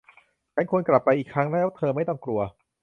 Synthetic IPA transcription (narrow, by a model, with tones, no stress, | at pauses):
t͡ɕʰa˦˥nkʰu˧ənkla˨˩pːa˧jʔiː˨˩kʰɾa˦˥ŋlɛː˦˥wt̪ʰɤː˧ma˥˩jt̪ɔ˥˩ŋkɾu˧ɐ